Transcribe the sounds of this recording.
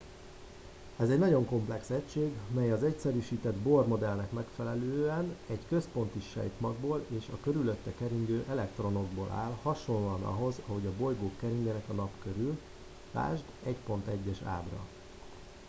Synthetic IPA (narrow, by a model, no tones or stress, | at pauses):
ɛzɛɟnɒɟo̞ŋko̞mplɛksɛcʃeːɡmɛjɒzɛcsɛɾyʃiːt̪ɛd̪bo̞rmo̞d̪ɛlnɛkmɛkfɛlɛløːɛnɛɟkøspo̞n̪t̪iʃɛ̰jt̪mɒɡboːleːʃɒkø̞ɾylø̞t̪ːɛkɛɾiɲɡøːʔɛlɛkt̪ro̞no̞ɡ̚boːlʔa̰ːlhɒʃo̞nloɒnɒ̰ɦo̞zɒɦo̞ɟɒbo̞jɡoːkːɛɾiɲɛnɛkɒnɒpkø̞ɾyl | t̪a̰ːʒd̪ɛcpo̞nt̪ɛɟːɛʃa̰ːbrɒ̰